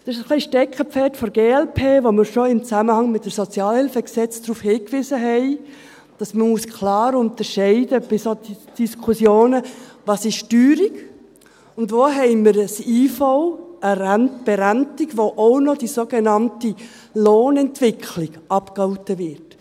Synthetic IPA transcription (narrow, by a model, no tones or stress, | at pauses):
d̥ɛɪʃəsχliʃtɛkχəpfɛtfɔɾɡ̥eːɛlpʰeːʋoməɾʃoɪmt͡sæməhɑŋmɪt̚dəsɔt͡sjɑːlhɪlfəksɛt͡sd̥ɾuːfhɪːkʋɪzəɦɛɪ | d̥ɑsməmuəskʰlɑːɾʊntəɾʃɛɪdəb̥ɪsadid̥iskʰusjoːnəʋɑsɪʃtyːɾik | ʊndʋoːɦɛɪməɾəsiːfɔʊəɾænb̥eɾæntiɡʋoʔoʊnɔd̥isoːɡenɑnti | loːnɛntvɪkʰlɪɡɑpkɑʊtəvɪɾt